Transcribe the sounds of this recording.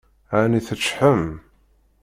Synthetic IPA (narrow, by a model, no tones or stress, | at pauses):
ʕaniθət͡ʃːħəm